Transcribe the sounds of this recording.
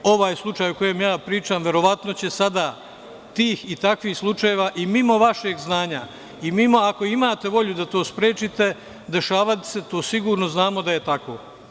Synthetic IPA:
o̞ʋaːjslˠut͡ʃaːjuko̞je̞mjaːpɾiːt͡ʃaːmʋe̞ɾo̞ʋat̪no̞t͡ɕe̞sad̪a | t̪iːxit̪akʋiːhslˠut͡ʃaje̞ʋaʔimimo̞ʋaʃe̞ːɡznaːɲa | imimo̞ako̞imaːt̪e̞ʋo̞ʎud̪at̪o̞ːspɾe̞ːt͡ʃit̪e̞ | d̪e̞ʃaːʋat̪i̥se̞t̪o̞ːsiɡuːɾno̞znaːmo̞d̪aje̞t̪ako̞̰

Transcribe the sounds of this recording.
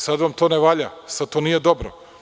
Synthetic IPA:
sad̪ʋamt̪o̞ːneʋaːʎasad̪t̪oniːjed̪o̞bɾo̰

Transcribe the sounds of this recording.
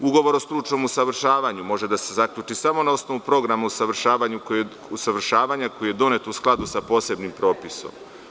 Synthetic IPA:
uɡo̞ʋo̞ɾo̞st̪ɾut͡ʃno̞musaʋr̩ʃaːʋaɲumo̞ʒe̞d̪ase̞zakʎuːt͡ʃisamo̞nao̞sno̞ʋupɾo̞ɡɾamausaʋr̩ʃaːʋaɲuko | usaʋr̩ʃaːʋaɲako̞jije̞d̪o̞ne̞t̪usklˠad̪usapo̞se̞bnimpɾo̞ːpiso̞̰m

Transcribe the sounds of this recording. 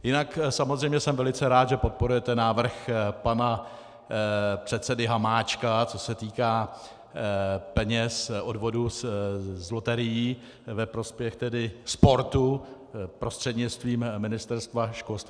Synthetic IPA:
jɪnaksamozrɛjmɲɛsɛmvɛlɪt͡sɛɾaːt̪ʒɛpo̞t̪̚po̞ɾujɛt̪ɛnaːvr̩xpana | pr̝̥ɛt̪sɛdɪɦamaːt͡ʃkat͡so̞sɛt̪iːkaː | pɛɲɛsʔo̞dvo̞du | zlo̞t̪ɛɾɪjiː | vɛpɾo̞spjɛxt̪ɛdɪspo̞ɾt̪u | pɾo̞st̪r̥ɛd̪ɲɪt͡st̪viːmːɪnɪst̪ɛɾst̪vaʃkolst̪ː

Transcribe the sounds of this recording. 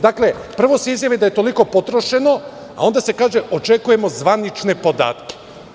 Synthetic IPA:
d̪akle̞pr̩ʋo̞se̞izjaʋid̪ajet̪o̞liko̞po̞t̪ɾo̞ʃe̞no̞ | a̰o̞nd̪ase̞kaːʒe̞ʔo̞t͡ʃe̞kuje̞mo̞zʋanit͡ʃne̞po̞d̪a̰ːt̪ke̥

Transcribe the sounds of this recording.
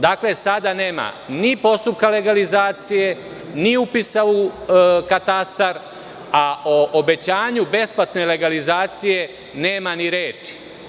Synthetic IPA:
d̪akle̞sad̪ane̞ːma̰ | nipo̞st̪up̚kale̞ɡalizaːt̪sije̞ | niupisaʋukat̪ast̪aɾ | aoʔobe̞t͡ɕaːɲube̞splat̪ne̞le̞ɡalizaːt̪sije̞ | neːmaniɾeːt͡ʃi̥

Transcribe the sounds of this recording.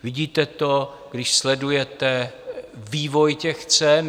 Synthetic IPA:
vɪɟiːt̪ɛt̪o | ɡdɪʃslɛdujɛt̪ɛ | viːvojcɛxt͡sɛn

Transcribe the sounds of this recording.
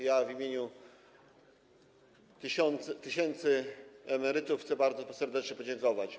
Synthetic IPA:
javʲimʲjeɲu | t̪ɕɔnt̪st̪ɘɕɛnt̪sɘɛmɛɾɘt̪ufxt̪ɛbaɾd̪zɔsɛɾd̪ɛt͡ʂɲɛpɔd͡ʑɛŋkɔvat͡ɕ

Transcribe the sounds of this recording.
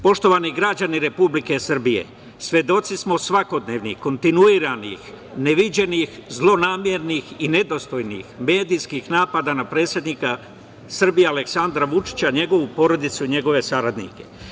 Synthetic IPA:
po̞ʃt̪o̞ʋaniɡɾad͡ʑaniɾe̞publike̞sr̩bije̞̰ | sʋʲje̞d̪o̞t̪sismo̞sʋako̞d̪ne̞ːʋnḭko̞nt̪inuiɾanḭx | neʋid͡ʑe̞nixzlˠo̞naːmjeɾnixine̞d̪o̞st̪o̞jnḭxme̞ːd̪ijskixnaːpad̪anapɾe̞ːt̪sʲje̞d̪nika | sr̩bijealeksand̪ɾaʋut͡ʃi̥t͡ɕaɲe̞ɡo̞ʋupo̞ɾo̞d̪it̪suiɲe̞ɡo̞ʋe̞saɾad̪nḭke̞̥

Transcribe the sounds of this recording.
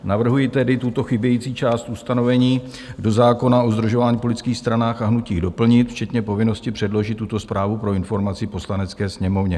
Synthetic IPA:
navr̩ɦujɪt̪ɛdɪt̪ut̪o̞xɪbjɛjiːt͡siːt͡ʃaːst̪ʔust̪ano̞vɛɲiː | do̞zaːko̞nao̞zd̪ɾuʒo̞vaːɲiːpolɪt͡skiːxst̪ɾanaːxaɦnuciːɣdo̞pl̩ɲɪt̪ft͡ʃɛt̪ɲɛpo̞vɪno̞scɪpr̝̥ɛdlo̞ʒɪt̪ːut̪o̞spɾʔaːvupɾo̞ɪnfo̞ɾmat͡sɪpo̞slanɛt͡skɛːsɲɛmo̞vɲɛ

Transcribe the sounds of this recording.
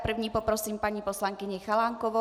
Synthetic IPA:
pr̩vɲiːpɔpɾɔsiːmpaɲiposlaŋkɪɲɛxalaːŋkɔvɔ

